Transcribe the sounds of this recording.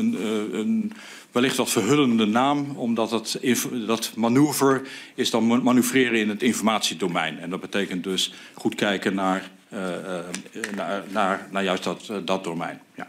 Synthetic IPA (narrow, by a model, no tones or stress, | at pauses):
ənən | ʋɛlɪχtʋɔtfərɦøləndənaːmɔmdɔttdɔtmanyəvəɹɪsdɔnmanyvrɪːɾəɪnətɪnfɔɹmaːtsidomɛ̰jnɛndɔt̚bətejkənt̚døsχutkɛjkənaɹ | anarnaːɹjœɥsttdɔtdomɛ̰jnja